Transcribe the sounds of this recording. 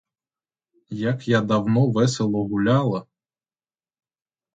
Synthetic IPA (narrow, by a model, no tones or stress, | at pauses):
jakjad̪ɐwnɔʋɛselˠɔɣʊlʲalˠɐ